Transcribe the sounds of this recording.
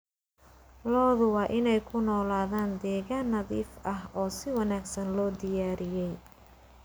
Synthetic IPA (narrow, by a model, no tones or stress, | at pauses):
lɔːðʊwɑːʔɪnɛjkʰʊnɔːlaːðaːnd̪ɛːɣaːnːɐðḭːfʔɐɦʔɔːsɪwɑnaːɡsɐnlɔːd̪ɪjaːɾɪjɛj